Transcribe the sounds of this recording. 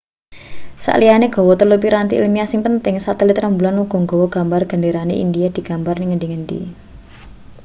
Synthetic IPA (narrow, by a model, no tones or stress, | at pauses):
sa̰ʔlijaneɡ̥ɔ̤wɔt̪əlupiɾant̪iʔlmiasiŋt̪ənt̪ɪŋsat̪ɛlit̪rambulanuɡ̥ɔ̤ŋɡɔ̤wɔɡ̥a̤mbarɡ̥ə̤ɳɖeɾaneʔḭndijad̪̥i̤ɡ̥a̤mbarnɪŋəɳdiŋəɳɖḭ